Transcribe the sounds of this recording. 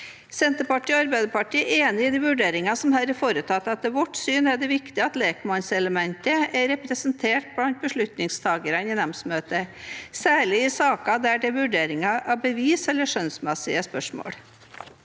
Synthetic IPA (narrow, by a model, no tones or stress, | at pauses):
sɛnt̪əpɑʈiːoɑɾbæɪd̪əpɑʈiːeːnɪɪd̪iːʋʉɖeːɾɪŋɑsɔmhæːɾɛfoːɾət̪ʰɑt̪ːɑt̪ɛʋɔʈsyːnæɖ̪ɛʋɪkt̪ɪəɑt̪leːkmɑnsɛləmɛnt̪əæɾɛpɾɛsnt̪ʰeːʈ̚b̥lɑnt̪̚bəʂɭʉt̪nɪŋst̪ʰɑːɡəɾɑnɪnɛmsmøːt̪əsæːɭɪɪsɑːkɑd̪æɖɛʋʉɖeːɾɪŋɑʔɑbəʋiːsɛlːəʂœnsmɛsɪəspœʂmo̰ːɽ